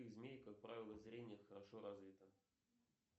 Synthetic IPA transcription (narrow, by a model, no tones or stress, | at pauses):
iɣzmʲejkak̚pɾavʲɪlˠəzɾʲenʲɪjəxəɾɐʂoɾazvʲit̪ə